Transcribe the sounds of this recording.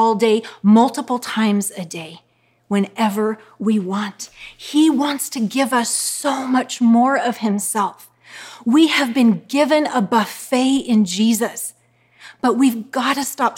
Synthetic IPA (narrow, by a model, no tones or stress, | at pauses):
ɔlˠdeɪmʌlˠtəpl̩ˠtʰãɪ̃mzɨdeɪ | wɨ̃nɛvə˞ | wiwɑ̃nt̚hiwɑ̃ntstʰɨɡɪvʌsoʊmʌt͡ʃmɔɹʌv̥ɨ̃msɛlˠf | wiɨvbɨ̃nɡɪvɨ̃nəbʌfeɪɪ̃nd͡ʒizɨs | b̥ʌt̚wivɡɑɾɨstɑp̚